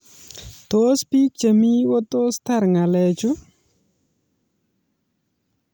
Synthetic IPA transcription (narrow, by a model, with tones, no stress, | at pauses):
t̪o˦spi˦k̚t͡ʃə˨mi˦wɔ˦t̪o˦st̪a˦ɾŋa˨lɛ˨t͡ʃʊ˦